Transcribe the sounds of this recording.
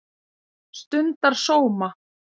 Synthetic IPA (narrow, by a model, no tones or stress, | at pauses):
st̪ʏnt̪aɾ̥soːwma